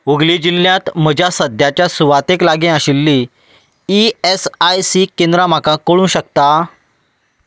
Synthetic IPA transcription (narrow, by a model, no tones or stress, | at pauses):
uɡlid͡ʑilːjãt̪m̤əd͡ʑʱjasəd̪ʱjat͡ɕjasuʋat̪eklaɡẽaɕilːiː | iesajsikẽnd̪ɾam̤akakoɽ̃ũːɕəkt̪a